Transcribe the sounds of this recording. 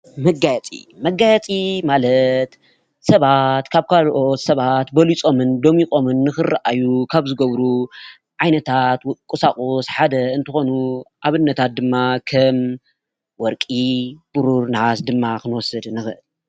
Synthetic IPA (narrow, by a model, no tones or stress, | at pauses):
mɐɡajɛt͡sʼḭmɐɡːajɛt͡sʼimalɐt̪ | sɐβat̪kʰaβkʰalʔo̞t̪sɐβat̪bɐlit͡sʼo̞mɨnd̪o̞mikʼo̞mɨnːɨxɨraʔajukʰaβzɨɡɐβɾu | ʕajnɐt̪ʰat̪kʼusakʼosħad̪ɐɨnt̪ʰɨxo̞nuʔaβɨnːɐt̪ʰat̪̚d̪ɨmːakʰɐm | wɔɾkʼib̥uɾuɾnɨʕasd̪ɨmːakɨnwɔsɨd̪nɨxɨʔɨl